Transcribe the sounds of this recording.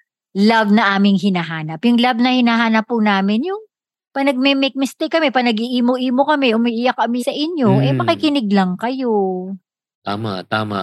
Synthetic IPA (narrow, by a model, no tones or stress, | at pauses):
lavnɐʔaːmɪŋɦɪnaɦaːnɐpjʊŋlavnɐhɪnaːɦaːnɐpːʊnaːmɪnjʊŋ | pɐnɐɡ̚mɛmɛk̚mɪst̪ɛkːɐmɛpɐnɐɡiʔiːmoʔiːmo̞kɐmɛʔʊmiːʔɪjɐkːɐmɪsɐʔɪɲjoʔɛmɐkɪkɪnɪɡ̚lɐŋkɐjo̞ | t̪a̰ːmɐ̰ʔt̪aːmɐ̰